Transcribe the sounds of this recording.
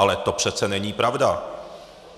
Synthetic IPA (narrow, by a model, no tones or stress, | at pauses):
alɛt̪o̞pr̥ɛt̪t͡sɛnɛɲiːpɾavda